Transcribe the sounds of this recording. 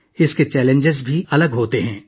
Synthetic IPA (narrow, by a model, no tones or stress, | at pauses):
ɪsket͡ʃɛːlẽɲd͡ʒɪzbʱiʔɐləɡɦoːt̪eɦɛ̃ː